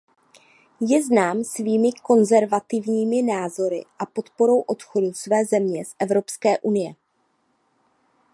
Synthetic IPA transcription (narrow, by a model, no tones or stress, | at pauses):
jɛznaːmsviːmɪko̞nzɛɾvat̪ɪvɲiːmɪnaːzo̞ɾɪ̰ʔapo̞t̪po̞ɾo̞wʔo̞t̪xo̞dusvɛːzɛmɲɛsʔɛvɾo̞pskɛːʔunɪjɛ